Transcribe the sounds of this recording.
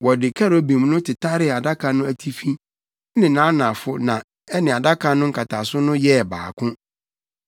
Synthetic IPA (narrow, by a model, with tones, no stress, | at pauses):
wɔ˨dɪ˨kʰa˦ɾo˨˦bĩ˨m˦nʊ̃˦tʰɪ˨tʰa˦ɾɪ˨a˨da˦kʰã˨nʊ̃˦æ˨tʰi˦fi˦ | nɪ̃˨nã˦nã˨fʊ˦nã˨ | ɛ˦nɪ̃˨a˨da˦kʰã˦nʊ̃˦ŋ̩˦kʰa˨tʰa˨sʊ˦nʊ̃˦jɛ˦˨ba̰ː˨kʰʊ̃˦